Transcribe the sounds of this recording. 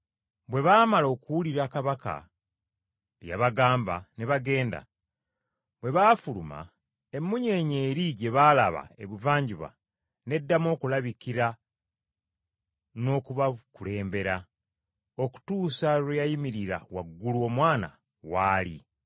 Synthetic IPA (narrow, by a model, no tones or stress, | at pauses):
bwe̞βaːmalo̞ːkuwuliɾakaβaka̰ | βja̰βaɡaːmbane̞βaɡe̞ːnda̰ | bwe̞βaːfuluma̰ | e̞mːuɲe̞ːɲe̞ːɾiɟe̞βaːlaβa̰e̞βuvaːɲɟiβa̰ | ne̞dːamo̞ːkulaβikiɾa | no̞ːkuβakule̞ːmbe̞ɾa | o̞ku̥tuːsalujajimiɾiɾa̰waɡːuluo̞mwaːna̰ | waːli